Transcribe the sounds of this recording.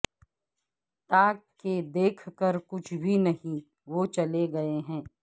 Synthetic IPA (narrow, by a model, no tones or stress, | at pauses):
t̪aːkkːed̪eːkʰkəɾkʊt͡ʃʰbʱinɐɦĩ | ʋoːt͡ʃɐleɡɐeɦɛ̃ː